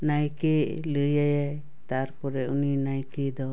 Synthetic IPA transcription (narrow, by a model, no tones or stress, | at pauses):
najkeʔləjajaj | t̪aɾpɔɾɛuninajked̪ɔ